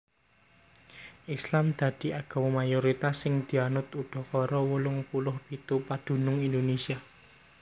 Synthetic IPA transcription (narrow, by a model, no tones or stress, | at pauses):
ʔislamd̪̥ä̤d̪̥i̤aɡ̥a̤wɔmajoɾit̪asːɪŋd̪̥i̤anʊt̪uɖ̪̥ɔ̤kɔɾɔwulʊŋpulʊhpit̪upad̪̥ṳnʊŋind̪onesia